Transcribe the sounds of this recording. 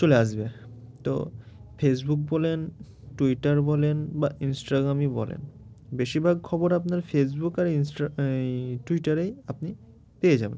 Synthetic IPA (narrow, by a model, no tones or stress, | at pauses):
t͡ɕoleaʃbet̪o̰ | fesbuk̚bɔlen | ʈuiʈaɾbɔlenbainsʈaɡɾamibɔ̰lḛn | beʃiɾbʱaɡkʰɔboɾapnaɾfes̬bukaɾinsʈ | ʈuiʈaɾejapni | pejed͡ʑabḛn